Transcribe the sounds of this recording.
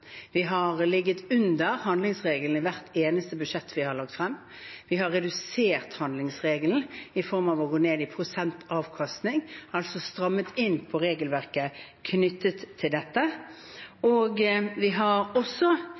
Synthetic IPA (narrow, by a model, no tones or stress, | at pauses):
ʋɪɦɑʁlɪɡːət̪ʉnd̪əɾhɑnd̪lɪŋsʁeːɡəln̩əʋæʁt̪ʰeːnəst̪əbʉʂɛt̪ʰːʋɪhɑɾlɑk̚t̪fɾɛmː | ʋɪɦɑɾːɛd̪ʉseːʁt̪hɑnd̪lɪŋsʁeːɡəln̩ɪfɔɾmɑʋɔɡoːneːd̪ɪpʰɾʊsɛnt̪ʰɑːʋkʰɑst̪nɪŋɑlsɔst̪ɾɑmːət̪ʰɪnːpʰɔɾeːɡəlʋæʁkəkʰnʏt̪ːət̪ʰːɪld̪ɛt̪ːə | oːɡʋɪɦɑɾɔsːɔ